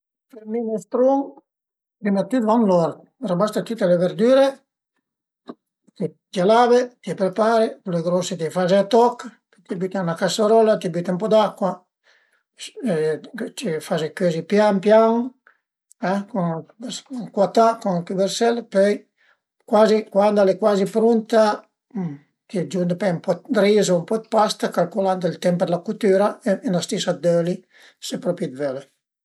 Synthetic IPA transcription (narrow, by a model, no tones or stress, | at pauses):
feɾminest̪ɾuŋ | pɾimat̪yt̪vanlɔɾ | rabast̪at̪ut̪ːeleveɾd̪yːɾe | t̪i | d͡ʒalavet̪iɛpɾepaɾepuleɡɾɔsit̪efazeat̪ɔkːpøt̪iabyt̪anakasoɾɔlat̪ibyt̪eumpɔd̪akːwa | t̪ifazekøzipjampjaŋ | ɛkonskwat̪akonakubɛɾsɛlpøj | kwaːzikwand̪alekwaːzipɾunt̪a | t̪id͡ʒund̪pɛumpɔd̪ɾiːzoumpɔd̪̚past̪akalkoland̪ilt̪ɛmpəd̪lakut̪yːɾaenast̪isad̪øli | sepɾɔpjid̪vøle